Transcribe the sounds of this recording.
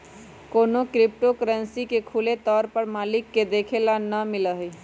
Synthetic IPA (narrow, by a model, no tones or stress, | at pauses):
koːnokɾɪp̚ʈokəɾənsikekʰulet̪ɔːɾpəɾmaːlɪkːed̪eːkʰelanəmɪləɦi